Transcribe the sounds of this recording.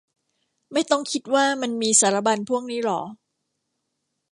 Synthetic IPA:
ma˥˩jt̪ɔ˥˩ŋkʰi˦˥t̪̚waː˥˩ma˧nmiː˧saː˩˦˥ɾa˦˧˥ba˧npʰu˥˩əŋ̚niː˦˥lɔː˩˦

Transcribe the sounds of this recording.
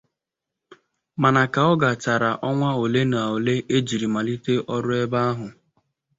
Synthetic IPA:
ma˨na˨ka˨ɔ˦ɡa˨t͡ʃa˨ɾa˨ʔɔ˦ŋʷa˦o˨le˦na˨o˨le˦ʔe˦d͡ʒi˨ɾi˨ma˨li˦te˦ʔɔ˦ɾʊ˦e˦ba˦a˦ɦʊ˨

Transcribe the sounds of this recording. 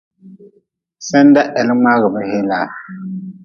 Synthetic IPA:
sɛ˦n˦da˦ʔɛ˨lma˦ɣə˨bə˦he˦la˨

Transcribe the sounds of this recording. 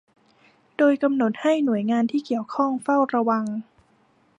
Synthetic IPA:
doː˧jka˧mno˨˩t̪̚ha˥˩jnu˨˩˦əjŋaː˧nt̪ʰiː˥˩ki˨˩əwkʰɔ˥˩ŋfa˥˩wɾa˧wa˧ŋ

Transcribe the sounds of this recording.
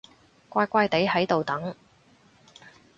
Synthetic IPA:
kʷaː˧jkʷaː˧jt̪e˨˥jhɐ˨˥jt̪o˨wt̪ɐ˨˥ŋ

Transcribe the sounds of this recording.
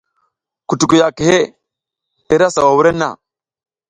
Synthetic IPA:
ku˨tu˨ku˨ja˨ki˨he˦ | te˦ɾa˦sa˨wa˨wu˦ɾe˦nːa̰˨

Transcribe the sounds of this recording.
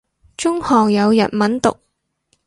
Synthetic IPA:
t͡ʃʊ˥ŋhɔː˨˩ŋjɐ˨˧wjɐ̰˨t̚mɐ˨˥nt̪ʊ̰˨k̚

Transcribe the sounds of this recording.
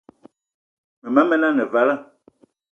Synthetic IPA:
me˨ma˨˦mɛ˦nã˦ne˨va˨˦la˦

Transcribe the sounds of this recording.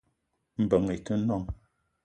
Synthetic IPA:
m̩˨bə˨ŋe˨tə˦nɔ˦ŋ

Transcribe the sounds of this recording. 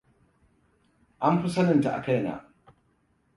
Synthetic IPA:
ʔa˦m˦ɸu˦sɐ˦nɪ˦˨nta˨ʔa̰˨kɐ˦˨na̰˨

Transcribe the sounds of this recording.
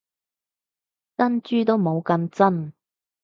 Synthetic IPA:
tɐ˥nt͡ʃyː˥t̪o˥wmo˨˧wkɐ˧nt͡sɐ˥n

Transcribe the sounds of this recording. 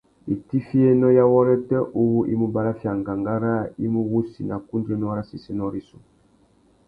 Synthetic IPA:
i˨ti˦fi˦ɛ˦nɔ˦ja˦wɔ˦ɾɛ˦tɛ˦ʔu˦wu˦ʔḭ˦mu˦ba˦ɾa˦fja˨ŋɡa˨ŋɡa˦ɾa˦i˦mu˦wu˦si˨na˨ku˦ndɾɛ˦nɔ˦a˦ɾa˦si˨sɛ˦nɔ˦ɾi˦su˨

